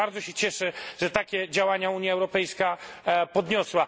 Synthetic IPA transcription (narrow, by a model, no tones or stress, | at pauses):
aɾd̪zɔɕɛt͡ɕɛʂɘʐɛt̪akʲɛd͡ʑawaɲauɲjaɛwɾɔpɛjskapɔd̪ɲɔswa